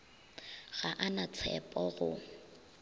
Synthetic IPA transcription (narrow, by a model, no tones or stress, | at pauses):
ɣaʔanat͡sʰɛ̰pʼɔɣʊ̰